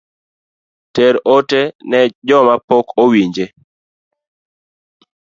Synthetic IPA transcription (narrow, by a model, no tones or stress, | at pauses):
tɛɾotenɛd͡ʒɔmapɔkowiɲd͡ʒe